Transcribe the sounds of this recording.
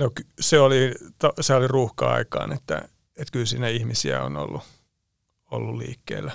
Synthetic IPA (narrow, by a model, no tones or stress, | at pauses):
nokseolit̪oseoliruːhkɑɑ̰ikɑ̰ːnet̪ːæ̰ | et̪kylsiːnæihmisiæo̰no̰lːu | olːulliːkːḛːlːæ